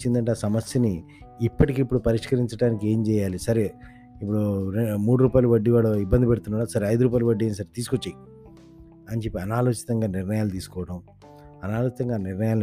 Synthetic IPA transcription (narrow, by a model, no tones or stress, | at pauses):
t͡ʃːind̪ɐɳʈeːsɐmɐsjɐniː | pːɐʈikipːuɽupɐɾiʂkɐɾiɲt͡ʃɐɽaːnikie̞ːmt͡ʃɛːjaːlisɐɾe | ip̬ːuɽuɾemuːɽuɾuːpaːjlɐʋɐɖːiʋaːɭːɐibːɐnd̪ipeɽut̪unːaːɽaːsɐɾeɐjd̪uɾuːp̬aːjilɐʋɐɖieːnis̬ɐɾet̪iːsukot͡ʃːaːji | ɐnt͡ʃe̞pːiɐnaːloːt͡ʃi̥t̪ɐŋɡaːniɾnɐjaːlut̪iːsu̥kɔːʋɐʈɐm | ɐnaːloːt͡ʃit̪ɐŋɡaːniɾnɐjaːl